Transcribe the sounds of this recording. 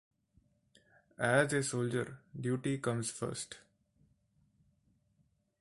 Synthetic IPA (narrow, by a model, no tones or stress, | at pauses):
æzesoːld͡ʒəɾɖjuːʈikʌ̃mzfə̰ɾsʈ